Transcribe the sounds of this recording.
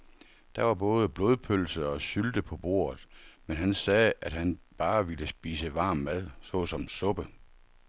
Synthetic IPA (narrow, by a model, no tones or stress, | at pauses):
d̥ɑʋɑ̈b̥ɔ̽ːð̞ˠəb̥loːð̞ˠpʰølsəɒ̽ɕyld̥əpʰɒ̽b̥o̝̰ːɐ̰ð̩ˠmenɦænsɛːæd̥hænb̥ɑ̈ːʋiləsb̥ḭːsəʋɑ̈ːmmæðˠsɔ̽ːsɒ̽msɔ̽b̥ə